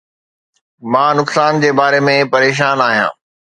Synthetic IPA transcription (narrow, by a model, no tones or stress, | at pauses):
mãːnʊksaːnd͡ʑeːbaːɾemẽpɐɾeːʃ̬aːnaːɦijã̰ː